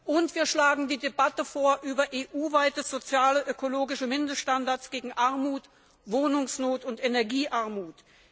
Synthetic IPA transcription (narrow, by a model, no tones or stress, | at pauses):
ʔʊntv̥iːɐʃlaːɡŋ̩diːdebatəfoːɐʔyːbɐʔeːʔuːvaɪtəz̥ot͡sjaːləʔøkoloːɡɪʃəmɪndəʃtandaɐt͡sɡ̥eːɡŋ̩ʔaɐmuːt | voːnʊŋsnoːtʊntenɛɐɡiːʔaɐmuːt